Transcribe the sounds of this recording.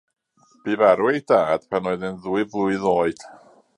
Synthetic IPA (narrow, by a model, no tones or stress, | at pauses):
b̥iːvaɾwejdaːd̥pʰanoːɨðɪnðuɨvlˠuɨðoːɨd̥